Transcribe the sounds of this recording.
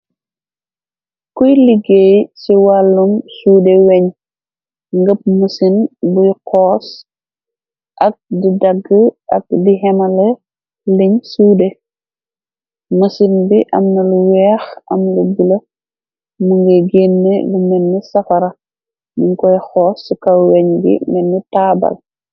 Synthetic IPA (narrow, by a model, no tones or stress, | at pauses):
kujliɡejsiwalːumsuːdɛwɛɲ | ŋɡəp̚musinbujqɔːs | ʔɐk̚didɐɡːəɐk̚diɦɛmɐlɛ | liɲsuːde | musinbiʔɐmnɐluwɛːxʔɐ̰mlubulɐ | muŋɡeɡeːnːḛɡumɛnːisɐkɐɾɐ | muŋkɔjxɔːsːikɐwɛɲɡḭmɛnːitaːbɐ̰l